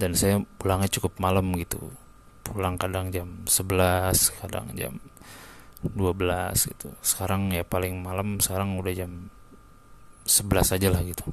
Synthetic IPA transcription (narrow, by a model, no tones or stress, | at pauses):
dansajapulaŋɲat͡ʃukʊp̚malamɡit̪ṵ | pʰulaŋkadaŋd͡ʒamsəbəlaskada̰ŋd͡ʒa̰m | duabəlasɡḭt̪usə̥kaɾaŋjapalɪŋmalamsə̥kaɾaŋudahd͡ʒam | səbəlasad͡ʒalahɡit̪u̥